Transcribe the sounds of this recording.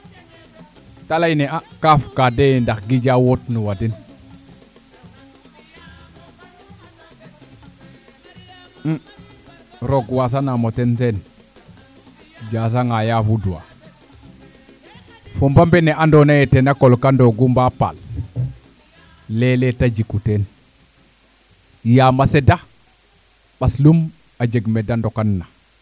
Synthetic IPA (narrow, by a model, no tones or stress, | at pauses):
talajneakafkadejndakɡid͡ʒawotnuwatin | ɾoɡwas̬anamotensen | d͡ʒas̬aŋajafuduwa̰ | fombambeneʔandonajetenakolkandoɡumbapa̰l | eletad͡ʒikuten | jamaseda | ɓaslum | ad͡ʒeɡmedandokanːa